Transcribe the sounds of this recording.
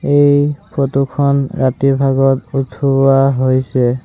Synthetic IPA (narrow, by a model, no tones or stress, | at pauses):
ejpʰɔtukʰɔnɹatiɹbʱaɡɔtutʰuaɦojsɛ